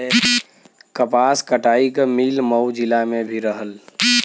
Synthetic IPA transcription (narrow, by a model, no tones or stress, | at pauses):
kəpaskəʈaikemilməwd͡ʒilamebʱiɾəɦəl